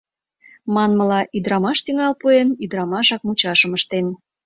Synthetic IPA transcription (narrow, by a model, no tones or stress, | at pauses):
mɑnməlɑʔid̪ɾɑmɑʃt̪iŋɑlpuenid̪ɾɑmɑʃɑk̚mut͡ɕɑʃəməʃt̪en